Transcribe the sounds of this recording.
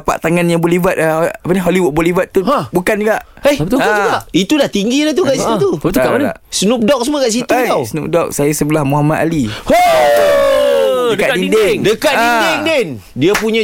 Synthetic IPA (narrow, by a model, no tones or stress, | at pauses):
pa̰ʔt̪aŋanjãbolivat̪̚apaniɦoliwut̪̚bolivat̪ːuabukand͡ʒɡaʔehkauɡaʔit̪udaht̪iŋɡilaht̪ukaʔiit̪t̪ut̪kaanʔsnup̚dɔk̚səmakaʔs̬it̪uawsnup̚dɔk̚sajasəbəlahmuɦamat̪̚aliho | ddkatdindeŋdəkat̪dindɪŋden | diapuɲã